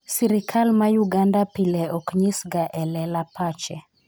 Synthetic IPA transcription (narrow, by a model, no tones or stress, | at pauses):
siɾikʰalmajuɡandapilɛɔkɲisɡaʔɛlɛlapat͡ʃɛ